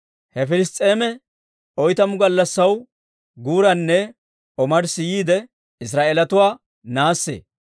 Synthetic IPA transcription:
hɛfɪlɪst̪ʼe̞ːmɛ | ʔɔjt̪ɐmʊɡɐlːɐsːɐw | ɡuːɾɐnːɛ | ʔɔmɐɾsɪjiːd̪ɛ | ɪs̬ɾaːʔeːlɐt̪ʊwaː | naːsːḛː

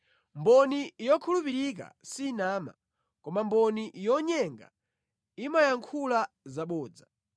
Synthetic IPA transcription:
mbɔnijɔkʰulupiɾik̬a̰sinaːma̰ | kɔmambɔniʔijɔɲɛŋɡa̰ | imajaŋkʰula | zaɓɔːd͡za

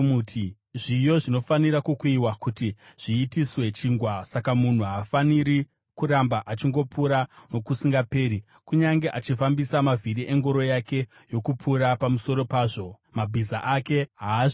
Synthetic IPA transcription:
mutʰi | ʐijo̞ʐino̞faniɾakukuiwakutiʐ̥iːtiswe̞t͡ʃiːŋɡwasakamun̤uɦafaniɾi | kuɾambaʔat͡ʃiŋɡo̞puɾano̞kusiŋɡape̞ːɾi | kuɲaŋɡe̞ʔat͡ʃifambisamaviɾiʔe̞ŋɡo̞ɾo̞jake̞ | jo̞kupʰuɾapamuso̞ɾo̞paːʐo̞ | mabʱizaʔake̞ɦaː

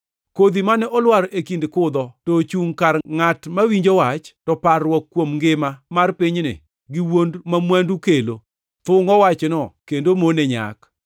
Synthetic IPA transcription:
kod̪imanɛʔɔlwaɾʔekindkʊd̪ɔtot͡ʃuŋkarŋatmawiɲd͡ʒowat͡ʃtɔparwɔkːwomŋɡɪmamarpɪɲnɪ̰ | ɡɪwondmamwɛndukelo | t̪ʊŋɔwat͡ʃnɔkendomonɛɲa̰k

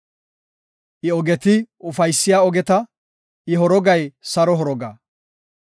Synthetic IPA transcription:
ʔɪɔɡɛt̪ɪʔʊfɐjsːɪjaːɔɡɛt̪ɐ | ʔɪɦɔɾɔɡɐjsɐɾɔɦɔɾɔɡa̰

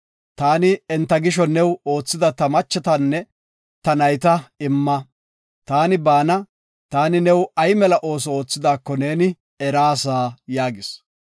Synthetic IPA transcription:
t̪aːnɪɛnt̪ːɐɡɪʃ̬ɔnɛwo̞ːt͡sːɪd̪ɐt̪ɐmɐt͡ʃːɛt̪ɐnːɛ | t̪ɐnɐjt̪ɐɪmːɐ | t̪aːnɪbaːnɐ | t̪aːnɪnɛwɐjmɛlɐʔo̞ːs̬ɔoːt͡sːɪd̪aːkːɔneːnɪ | ɛɾaːsaːjaːɡɪs

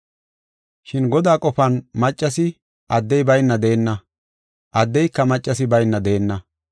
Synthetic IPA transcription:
ʃɪnɡɔd̪aːkʼɔfɐnmɐt͡ʃʼːɐsɪ | ʔɐd̪ːɛjbɐjnːɐd̪eːnːɐ | ʔɐd̪ːɛjkːɐmɐt͡ʃʼːɐsɪbɐjnːɐd̪eːnːɐ

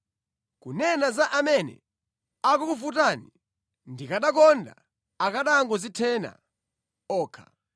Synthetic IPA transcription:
kunɛnazaʔamɛnɛ̰ | akukufut̬aːni | ndikaɗak̬ɔnda̰ | akaɗaŋɡɔzitʰɛːna̰ | ɔːkʰa̰

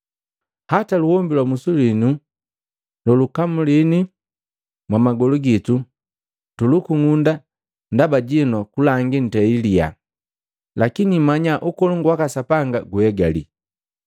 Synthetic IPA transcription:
hataluhɔmbilwamusulinu | lɔlukamulini | mwamaɡɔluɡitu | tulukuŋunda | ndabaɟinɔkulaŋɡin̩tɛilia̰ | lakinimaɲaʔukɔluŋɡwakasapaŋɡaɡuhɛɡalḭ

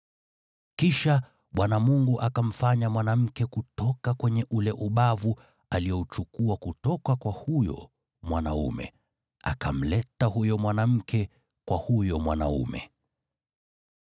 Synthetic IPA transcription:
kiʃa | ɓwanamuŋɡuʔakam̩faɲamwanam̩kɛkutɔkakwɛɲɛʔulɛʔuɓavu | alijɔut͡ʃukuakutɔkakwahujɔ̰ | mwanaṵmɛ̰ | a̰kam̩lɛtaɦujɔmwanam̩kɛ | kwahujɔmwana̰ṵmɛ̰

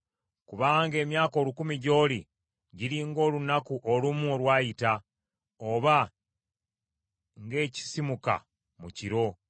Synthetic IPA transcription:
kuβaŋɡe̞ːmjaːko̞ːlukumiɟo̞ːli | ɟiɾiŋɡo̞ːlunakuʔolumuolwaːjita | oβa | ŋɡe̞ːci̥simuka̰ | muciɾo̞

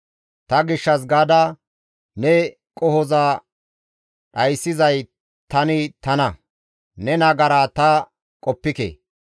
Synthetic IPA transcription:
t̪ɐɡɪʃːɐs̬ɡaːd̪ɐ | nɛ | kʼɔhɔzaː | ɗɐjsːɪzɐj | t̪ɐnɪt̪ɐnɐ | nɛnɐɡɐɾaːt̪ɐ | kʼɔpːɪkḛː

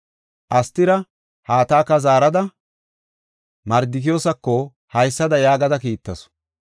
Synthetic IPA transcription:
ʔɐst̪ːɪɾɐ | haːt̪aːkːɐzaːɾɐd̪ɐ | mɐɾd̪ɪkɪjoːsɐkːɔ | hɐjsːɐd̪ɐjaːɡɐd̪ɐkiːt̪ːɐsɔ̥

